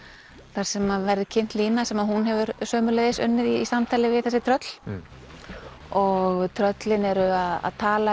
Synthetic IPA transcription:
θaɾ̥sɛmavɛɾðɪcʰɪn̥t̪liːnasɛmaðhunɦɛvʏɾsœːmʏlɛðɪsʏ̰nːɪðisamt̪ʰaːlɪvɪðθɛsɪt̪ʰɾœt̪l̥ | ɔɣt̪ʰɾœt̪lɪnɛɾʏaða̰ðt̪ʰaːla

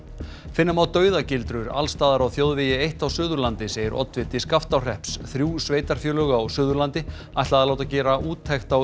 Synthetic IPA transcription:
fɪnːamawt̪œːɥðacɪlt̪ɾʏɾa̰lst̪aːðaɾawθjowðvɪjɪejht̪awsʏːðʏɾlant̪ɪseːjɪɾɔ̰t̪vɪt̪iskaft̪awr̥ɛhpsθɾjuːsveːjt̪aɾ̥fjœːlœɣaːwsʏːðʏɾlant̪ɪ | ajht̪aðaloːwt̪acɛːɾaʔuːt̪ʰːɛjxt̪aw

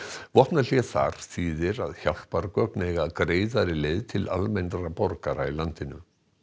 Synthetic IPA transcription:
vɔht̪nal̥jɛθa̰ɾ̥siːðɪɾaðçawl̥paɾkœknejɣakɾeːjðaɾɪlejðt̪ʰɪla̰lmɛjnɾapɔɾkaɾailant̪ɪnʏ̰

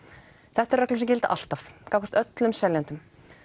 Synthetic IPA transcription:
θɛht̪ɛɾrɛklʏmsɛmcɪlt̪a̰ʔa̰l̥t̪afkawkʰɔ̥ɾ̥t̪œt̪lʏmsɛljant̪ʏm

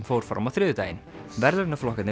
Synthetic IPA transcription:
mfowɾ̥fɾa̰wmaθɾɪːðʏt̪aːjɪnvɛɾlɛɾnaflɔhkat̪nɪ

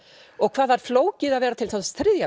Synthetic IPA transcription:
ɔɣkʰv̥aːðvaɾ̥floːwcɪðaðvɛːɾat̪ʰɪlθanst̪ɾɪðja

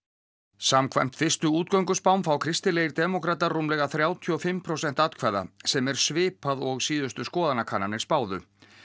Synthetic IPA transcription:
samkʰva̰jm̥t̪fɪr̥st̪ʏuːt̪kœwŋkʏspawmfɾawkʰɾɪst̪ɪleːjɾt̪ɛmɔkɾat̪arumlɛɣaθɾjawt̪ʰiɔfɪmːpʰɾowsɛn̥t̪at̪kʰvaða̰sɛmɛɾ̥svɪːpaðɔɣsiːðʏst̪ʏskɔːðanakʰaːnːanɪɾ̥spaːwðʏ̰

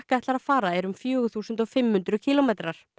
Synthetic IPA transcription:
hkaɛht̪laɾaðfaːɾaɛɾʏmfjœːɣʏθuːsʏnt̪ɔɣfɪmːhʏnt̪ɾʏcʰilɔmejt̪ɾaɾ̥

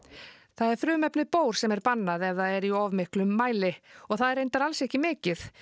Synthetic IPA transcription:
θaðɛɾ̥fɾʏːmɛpnɪpoːwɾ̥sɛmɛɾpanːaðɛvðaðɛɾiɔvmɪhklʏmːaːjlɪɔɣθaðɛɾejnt̪aɾalsɛhcɪmɪːcɪθ

